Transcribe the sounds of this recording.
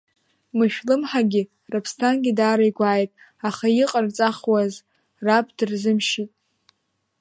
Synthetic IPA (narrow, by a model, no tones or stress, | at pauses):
mɨʃᶣlɨmħaɡʲɪ | rapʰstʰanɡʲidaːɾajɡʷaːjtʼ | aχajiqʼart͡sʼaχwaz | rapʰdɨrzɨmʃitʼ